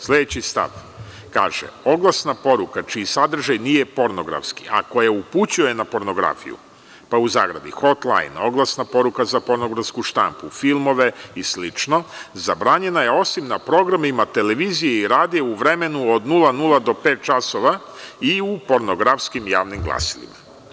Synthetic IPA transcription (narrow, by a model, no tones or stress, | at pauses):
slʲe̞d̪et͡ɕist̪a̰ʋ | ka̰ːʒḛo̞ɡlˠasnapo̞ɾukat͡ʃiisad̪r̩ʒajnije̞po̞ɾno̞ɡɾa̰fski̥ʔako̞jauput͡ɕujjenapo̞ɾno̞ɡɾa̰fḭjṵ | pauza̰ːɡɾa̰bḭxo̞t̪lˠa̰jno̞ɡlˠasnapo̞ɾukazapo̞ɾnoɡɾafskuʃt̪a̰mpufilˠmo̞ʋe̞islit͡ʃno̞zabɾaːɲe̞naje̞o̞simnapɾo̞ɡɾamimat̪e̞le̞ʋiːzijeiɾaːd̪ijeuʋɾe̞me̞nuod̪nulˠanulˠad̪o̞pe̞ːt̪̚t͡ʃasoʋa | iupo̞ɾnoɡɾafskimja̰ːʋnimɡlˠa̰si̥lḭma